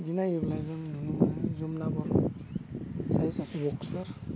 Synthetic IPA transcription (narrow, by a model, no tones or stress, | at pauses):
zinaeblajzɔnnunumzumnabɔɾ | sajsasibɔksɔɾ